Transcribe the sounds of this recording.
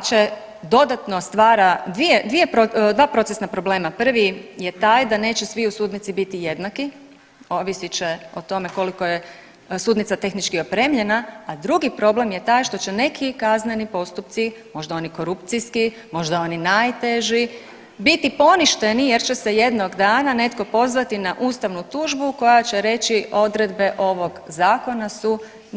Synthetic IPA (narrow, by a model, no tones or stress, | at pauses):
t͡ʃe̞ | d̪o̞d̪at̪nost̪ʋaːɾad̪ʋijed̪ʋije̞pɾod̪ʋaːpɾo̞t̪esnapɾo̞ble̞ːmapr̩ʋijet̪aːjd̪ane̞ːt͡ɕesʋiusuːd̪nit̪sibit̪ije̞d̪naki | o̞ʋisit͡ʃeot̪o̞me̞ko̞liko̞je | suːd̪nit̪sat̪e̞xnit͡ʃkio̞pɾe̞ːmʎe̞naːd̪ɾuɡipɾo̞ble̞mjet̪aːjʃt̪o̞t͡ʃe̞ne̞kʰikaznenipo̞st̪upt̪simo̞ʒd̪aoniko̞ɾupt̪sijski | mo̞ʒd̪ao̞ninajt̪eʒi | bit̪ipo̞niʃt̪e̞nije̞ɾt͡ɕe̞se̞je̞d̪noɡd̪aːnane̞t̪ko̞po̞zʋat̪inaʔuːst̪aʋnut̪uːʒbuko̞jat͡ɕe̞ɾe̞t͡ɕio̞d̪ɾe̞d̪be̞ʔo̞ʋo̞ɡzaːko̞nasu